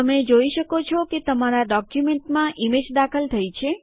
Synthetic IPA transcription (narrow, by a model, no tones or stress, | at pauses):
əmed͡ʒoiʃəkot͡ʃʰɔket̪əmaɾaɖɔkjumeɳʈmãʔimed͡ʒd̪akʰəlt̪ʰəjt͡ʃʰe